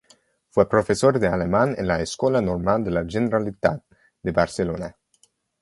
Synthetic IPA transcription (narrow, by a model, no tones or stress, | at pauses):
fwɛpɾofesord̪ealemanḛnlaeskwɔlanormald̪elad͡ʒeneɾalit̪a̰t̪̚ | d̪ebarselona